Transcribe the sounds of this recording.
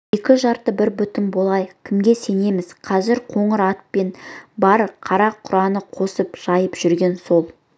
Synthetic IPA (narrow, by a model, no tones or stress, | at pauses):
e̞kʲɪʒɑɾt̪əbɪɾbʏt̪ɪnbo̞lˠɑjkʲʰɪmɡʲe̞se̞ne̞mɪz̥qʰɑzɪɾqʰo̞ɴəɾɑt̪̚pe̞nbɑɾqʰɑɾɑqʰːʊɾɑnəqʰo̞səpʒ̥ɑjəpʒ̥ʏɾɡʲe̞nso̞lˠ